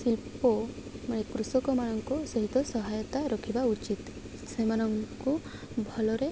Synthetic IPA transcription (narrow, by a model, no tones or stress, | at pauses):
silpɔmnekɾusɔkɔmanɔŋkusɔɦit̪ɔsɔɦajɔt̪aɾɔkʰibaut͡ʃit̪ | semanɔŋku | bʱɔlɔɾe